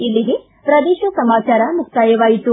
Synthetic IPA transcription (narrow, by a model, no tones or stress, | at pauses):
ilːiɡe̞ | pɾɐd̪eːʃɐsɐmaːt͡ʃaːɾɐmukt̪aːjɐʋaːjit̪u